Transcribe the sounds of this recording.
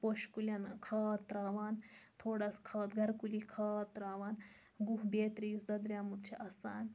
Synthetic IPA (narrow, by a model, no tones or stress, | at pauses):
poʃkulʲanɐkʰaːt̪ːɾaːʋaːnt̪ʰoːɽaskʰaːt̪ɡʱɐɾkulikʰaːt̪ːɾaːʋaːn | ɡuɦbeːt̪ɾijusd̪ɐd̪ɾʲjaːmut̪̚t͡ʃʰiʔɐsaːn